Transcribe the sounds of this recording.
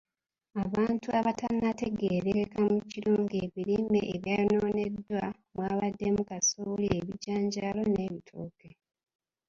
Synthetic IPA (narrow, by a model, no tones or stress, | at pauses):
aβaːntuaβatanːate̞ɡeːɾeekamuciɾoːŋɡeːβiɾimeʔːβjajonoːne̞dwa | mwaːβadːe̞mukasolieβiɟaːɲɟaːlo̞ne̞ːβitʰuːke